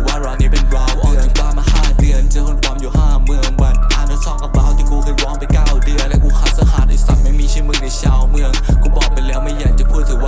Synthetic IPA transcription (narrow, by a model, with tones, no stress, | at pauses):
waː˧˨ɾaː˧˩niː˧˩pe˨˩nwaː˧˩wʔɯ˧˩ə˨waː˧˩ma˧haː˧˩t̪ɯ˧ənt͡ɕɯ˧˦kʰo˧˦nkʰwaː˧˥˦mjuː˨˩haː˧˩mɯ˧˩əŋba˨˧˩t̪̚ʔaː˧˩na˧˥sɔː˧˩kʔa˧baː˧˩wt̪ʰiː˧˩kuː˧˩kʰɯː˧˥˩wɔː˦˥ŋpa˧˩nkaː˧˩˨wdɯ˧˩əlɛ˦˥kuː˧˥˩kʰaː˧˥sa˧˦haː˨˩t̪̚a˨˧˩sa̰˨˩k̚ma˦˥˩jmiː˧˥˩t͡ɕʰi˧˥˩mɯ˧˩əŋna˧jt͡ɕʰaː˧wmɯ˧əŋkuː˧˦˩bɔː˨˩k̚pa˧jlɛː˦˥wma˧˥˩jaː˨˧˩nt͡ɕa˨˩pʰuː˦˥˩t̪̚ːʰɯː˧˩wa˧